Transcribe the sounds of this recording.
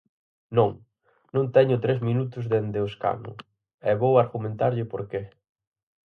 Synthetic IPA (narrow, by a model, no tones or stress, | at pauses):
nõŋ | nõŋt̪ɛɲʊt̪ɾezmĩnut̪ʊzðend̪ɪʊska̰nʊ̰ | ɛβowaɾɣumẽnt̪aɾʎɪpoɾke